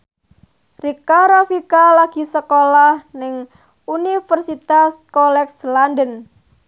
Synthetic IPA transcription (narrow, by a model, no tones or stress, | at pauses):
rikaɾofikalaɡ̥i̤səkolahnɪŋ | unifərsit̪askɔlɛkslandən